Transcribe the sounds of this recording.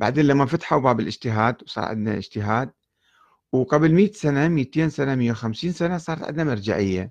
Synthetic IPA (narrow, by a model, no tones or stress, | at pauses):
b̥a̰ʕd̪eːnlamːafat̪ḁħubaːbɪlɪd͡ʒt̪ɪɦaːd̪wsˤɑ̰ːʕɪ̰d̪na̰ʔɪ̰d͡ʒt̪ɪɦaːd̪̚ | wqablmɪjːasanamiːt̪eːnsanamɪjːawxamsiːnsanasˤɑːɾˤɑt̪ʕɪ̰d̪namɪɾˤd͡ʒa̰ʕɪjːa